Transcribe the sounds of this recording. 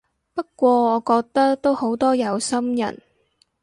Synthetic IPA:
pɐ˥t̚kːʷɔː˧ɔː˨˧kɔː˧k̚t̪ɐ˥k̚t̪o˥who˨˥wt̪ɔː˥jɐ˨˧wsɐ˥mjɐ̰˨˩n

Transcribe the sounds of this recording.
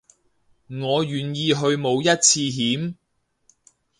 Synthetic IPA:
ŋɔː˨˧ɥyː˨˩njiː˧ɦɵ˧ɥmo˨˧wjɐ˥t̚t͡sʰiː˧ɦiː˨˥m

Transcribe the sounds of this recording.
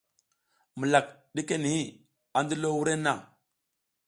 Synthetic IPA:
mə˨la˨kɗi˦ke˦ni˨hi˦ | a˨ndə˦lo˦wu˦ɾe˦na̰˦˨

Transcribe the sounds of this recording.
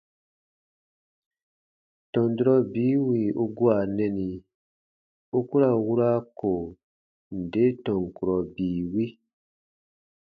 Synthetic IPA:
tɔ̃˨n˨du˨ɾɔ˧biː˨˦wi˨u˧ɡu˦a˨nɛ̃˧nĩ˨ | u˦ku˦ɾa˨wu˦ɾa˦ko˨ | n̩˨de˨˦tɔ̃˨ŋ̩˨ku˨ɾɔ˨biː˨˦˨wi˦

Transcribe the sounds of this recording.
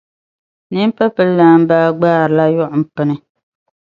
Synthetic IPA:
nɨ˦m˦pɛ˦pɨ˦lːaː˦˨m˦baː˦ɡ͡baː˦˨ɾla˦jʊ˦ʔʊ˨m̩˨pɨ˦nɨ˦

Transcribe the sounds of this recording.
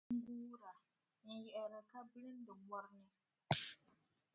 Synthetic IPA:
ɡuː˦ɾa˨ | n̩˨jɛ˨ʔɛ˨ɾɛ˨ka˦bɨ˦lɨ˦n˦dɨ˨ɡ͡bɔ˦ɾnɪ˦

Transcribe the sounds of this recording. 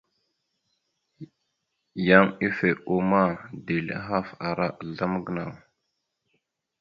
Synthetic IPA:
ja˦mi˦fe˨ʔu˦ma˦de˨lḭ˦ɦa˦fa˨ɾa˦ʔɮa˦m˦ɡə˦na˨w

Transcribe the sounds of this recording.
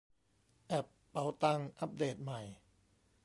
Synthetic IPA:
ʔɛ˨˩pːa˨˦wt̪a˧ŋʔa˦˥p̚deː˨˩t̪̚ma˨˩j

